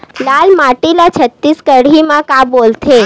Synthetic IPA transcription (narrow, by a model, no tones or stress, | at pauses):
lalmaʈilat͡ʃʰət̪ːiskəɽ̤imãkãbolt̪ʰe